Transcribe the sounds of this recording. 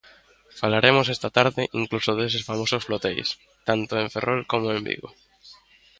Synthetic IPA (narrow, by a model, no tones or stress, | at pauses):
falaɾemosest̪at̪aɾðɪʔiŋklusoðesesfamososflot̪ḛjs | t̪ant̪oẽɱferʔolkomoẽmbḭɣo̰